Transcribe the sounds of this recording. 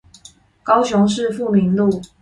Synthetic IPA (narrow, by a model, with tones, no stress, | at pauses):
kɑ˦ʊɕjʊ˧˥ŋʂɻ̩˥˧fu˥˩mi˧˥nlu˥˨˩